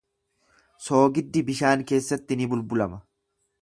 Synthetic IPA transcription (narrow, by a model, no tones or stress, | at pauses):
so̞ːɡɪd̪ːɪbɪʃaːŋke̞ːsːɐt̪ːɪnɪbʊlbʊlɐmɐ